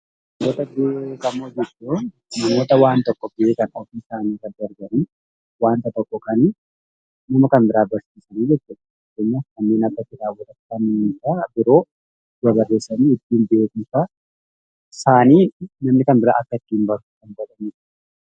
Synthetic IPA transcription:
nɐmoːt̪ɐbekɐmːoːd͡ʒɛt͡ʃːu | nɐmo̞ːt̪ɐwaːnt̪ɔkːɔbɪeːkɐnɔfiːsaːniːkɐɡɐɾɡɐʔʊn | waːnt̪ɐt̪ɔkːɔkɐn | nɐmɐkɐnbɪɾaːbɐɾsiːsɐniːd͡ʒɛt͡ʃːʊᶑɐ̥ | t̪ɛɲːɐkɐnːeːnɐbːɐtɪᶑaːwɐt̪ɐt̪ːkɐnɾaːbɪɾo̞ː | ɐbɐrːe̞ːsːɐniːɪd̪ːiːmbeːkufɐ | saːniːnɐmnɪkɐnbɪɾa̰ːʔɐkːɐɪt̪ːɪmbɐɾukɐnbɐlɐniːt͡ʃ

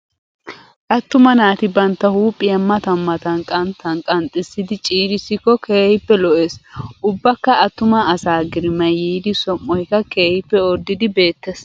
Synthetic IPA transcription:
ʔɐt̪ːʊmɐnaːt̪ɪbɐnt̪ːɐhuːpʼːɪjɐmːɐt̪ɐmːɐt̪ɐnkʼɐnt̪ʰːɐnkʼɐnt̪ʼɪsːɪd̪ɪt͡ʃʼiːɾɪsːɪkːɔkʰeːhɪpːɛlɔʔeːsʔʊbːɐkːɐɐt̪ːʊmɐɐsaːɡɪɾɪmɐjːiːd̪ɪsɔmːɔjkːɐke̞ːhɪpːɛɔɾd̪ɪd̪ɪbe̞ːt̪ːeːs

